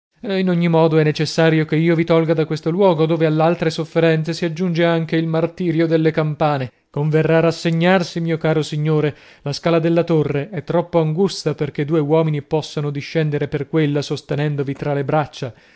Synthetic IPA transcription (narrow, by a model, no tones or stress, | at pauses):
inoɲːimɔːd̪oɛnːet͡ʃesːaːɾjokeiːovit̪ɔlɡad̪akwest̪olwɔːɡod̪oːvealːealt̪ɾesofːeɾɛnt̪sesiad͡ʒːund͡ʒeaŋk̟eilmart̪iːɾjod̪elːekampaːne | koɱverːarasːeɲːarsimiːokaːɾosiɲːoːɾe | laskaːlad̪elːat̪orːeɛt̪ːɾɔpːoaŋɡust̪aperk̟ed̪uːewɔːminipɔsːanod̪iʃːɛnd̪eɾeperkwelːasost̪enɛnd̪ovit̪ɾalebɾat͡ʃːa